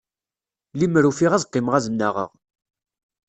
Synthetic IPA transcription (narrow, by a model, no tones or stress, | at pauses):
limɾufiʁæzqːɪmʁæzəmnaʁə̰ʁ